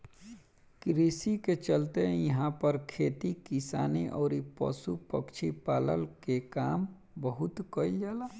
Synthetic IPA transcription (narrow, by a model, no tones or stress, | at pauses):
kɾisiket͡ʃəlt̪eɦjəɦãpəɾkʰeːt̪ikisa̰ːniʔɔːɾipɔ̰supəkt͡ʃʰipaːlə̰lkekaːm | bəɦʊt̪kəild͡ʒaːlaː